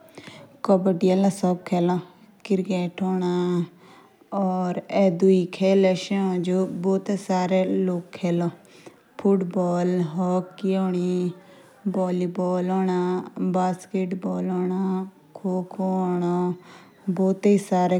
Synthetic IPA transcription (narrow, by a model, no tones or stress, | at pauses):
kɔbəʈiəlãsɔb̚kʰeːlo | kɪɾkeːʈoːɳ̃aː | ɔːɾɛd̪uikʰeːlɛʃẽõːd͡ʒoboːt̪esaːɾeloːkʰːeːlɔː | pʰʊʈbɔːlɦɔːkːioːɳ̃iː | bɔːliːbɔːloːɳaːbaːskeːʈbɔːloːɳaː | kʰoːkʰoɔːɳoː | boːt̪eisaːɾe